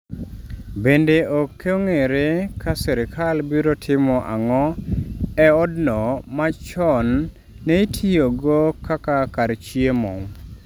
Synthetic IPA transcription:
bendeʔokʰːeoŋeɾekʰasɛɾɪkʰalbiɾotʰɪmɔʔa̰ŋɔ | ɛɔdnɔmat͡ʃɔnː | eitʰijoɡokakakaɾt͡ʃiemɔ̰ŋ

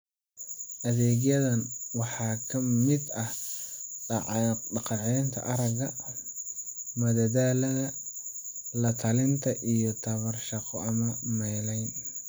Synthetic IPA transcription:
ʔɐðɛːɣjɐðɐnwɑħɑːkʰɐmɪd̪ɐh | ɖɑʕɖɑqɑʕɛjnt̪ʰɐ̰ʔɐɾɐɣɐ | mɐðɐðaːlɐðɐ | lɐt̪ʰɐlɪnt̪ʰɐʔijɞt̪ʰɐβɐrʃɑqɔɐmɐmɛːlɛjn

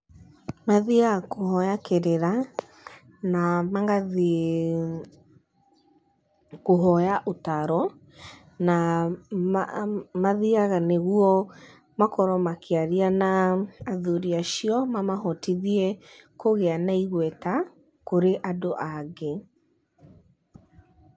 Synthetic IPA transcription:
maðiakohɔjakeɾeɾa | namaŋɡað | koɦɔjaʔotaɾɔ | na | maðiaɣaneɣuɔ | makɔɾɔmakʰeaɾianaːðuɾiaʃiɔmamahɔtiðiɛkoɣeanaiɣwɛta | koɾeʔadoʔaɣe

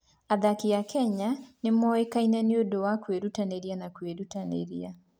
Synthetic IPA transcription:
aðakijakɛɲanemɔekainaneodowakweɾutaneɾianakweɾutanḛɾia

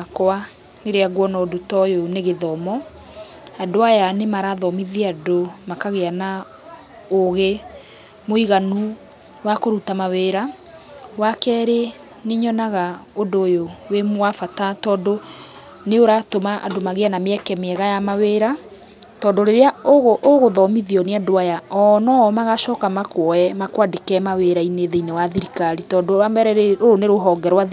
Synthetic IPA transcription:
akɔa | neɾeaɣwɔnɔdotɔjoneɣeðɔmɔ | adoajanemaɾaðɔmiðiadomakaɣeana | oɣe | moiɣanu | wakoɾutamaweːɾa | wakɛːɾe | neɲɔnaɣaodojowemowafatatɔːdo | neoɾatomaʔa̰domaɣeanameɛkɛmeɛɣajamaweːɾa | tɔːndoɾeɾeaɣʔoɣoðɔmiðiɔneadoajaɔnɔmaɣaʃɔːkamakwɔɛmakwadekɛmaweɾaineðeinewaðiɾikaɾitɔːdoabɛɾɛoɾoneɾoɦɔɡɛɾwa

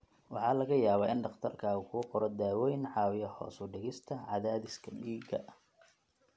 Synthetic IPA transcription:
wɑħɑːlɐɣɐjaːβaːɪnɖɑχt̪ʰɐrkʰaːʊkʰʊqɔɾɔd̪aːwɛjnʕɑːwɪjɐhɔ̰ːsʊɖɪɣɪst̪ʰɐʕɑðaːðɪskʰɐmiːɡɐ̰ʔ

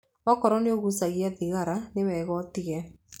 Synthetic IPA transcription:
ɔkɔɾɔneoɣusaɣiaðiɣaɾanewɛɣɔtiɣɛ

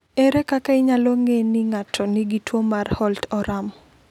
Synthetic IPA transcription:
eɾekakaɪɲalɔŋeniŋatʰɔnɪɡitwomarhɔltɔɾam

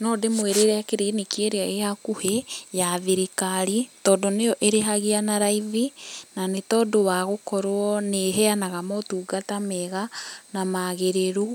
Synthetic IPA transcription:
nɔdemweɾeɾɛakeɾenekieɾeaeakuhejaðiɾikaɾitɔːdonejɔʔeɾeɦaɣianaɾaivinanetɔːdowaɣokɔɾwɔneɦɛanaɣamɔtuːɡatamɛɣanamaɣeɾeɾo

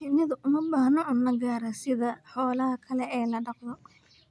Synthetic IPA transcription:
ɪnɐðʊʔʊmɐbaːhnɔʔuːnɐɡaːɾɐsɪðɐħɔːlɐɦɐkʰɐlɛɛːlɐɖɑqðɔ

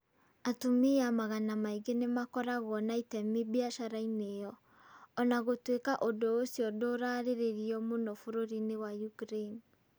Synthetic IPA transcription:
atomiamaɣanamaiɡenemakɔɾaɣɔnaitɛmibiaʃaɾainejɔː | naɣotwekaʔodoːsiɔdoɾaɾeɾeɾiɔmonɔfoɾoɾinewajukɾeni

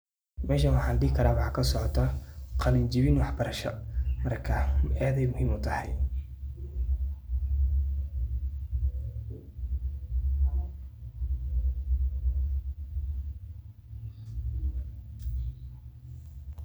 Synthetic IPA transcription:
mɛːʃ̬ɐnwɑħɑːlɖiːkʰɐɾaːwɑħɑːkʰɐsɔʕɔt̪ʰɐqɑlɪnt͡ʃɪβɪnwɑħbɐɾɐʃɐmɐrkʰɐaːðɛjmʊhiːmʊt̪ʰɐhɑj

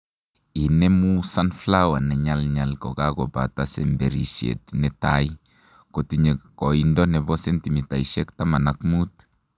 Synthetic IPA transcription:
inɛmusanflawanɛɲalɲalkɔkaɡɔba̰tasɛ̰mbeɾḭʃḛtnɛtaj | kotiɲekɔindɔnɛbɔsɛntimitajiʃɛktamanakmut

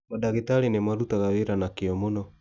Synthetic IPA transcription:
madaɣetaɾenemaɾutaɣaweɾanakeɔmonɔ

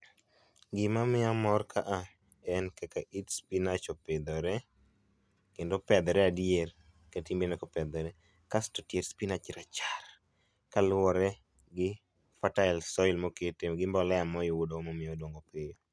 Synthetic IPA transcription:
ɡɪmamɪamɔrkʰaʔa | ɛnkɛkaʔitspinat͡ʃoped̪ɔɾɛ | kendopɛd̪ɛɾɛadjer | katimbenɛkɔpɛd̪ɔɾɛ | kastɔtjeɾspinat͡ʃɾat͡ʃar | kalwɔɾɛ | ɡɪ | fataɪlsɔilmoketemɡɪmbɔlɛamɔjiwudomɔmɪodoŋɡopejo

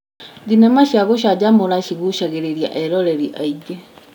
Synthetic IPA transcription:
d̪inamaʃiaɣoʃaɟamoɾaʃiɣuʃaɣeɾeɾja̰ʔɛɾɔɾeɾiʔaid͡ʒe

